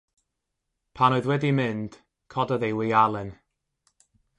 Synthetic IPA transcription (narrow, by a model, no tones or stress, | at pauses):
pʰanoɨðwɛdimɪnd̥ | kʰɔdəðejwɪalˠɪn